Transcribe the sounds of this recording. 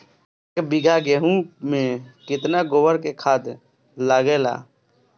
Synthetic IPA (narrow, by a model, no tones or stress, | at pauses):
ekbɪɡʱaɡeːɦũmẽkɪt̪naɡowəɾkekʰaːt̪ | laɡela̰ː